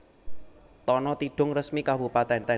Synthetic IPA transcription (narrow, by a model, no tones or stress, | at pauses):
t̪ɔnɔt̪iɖ̥ʊŋrəsmikabupat̪ɛnt̪ɛ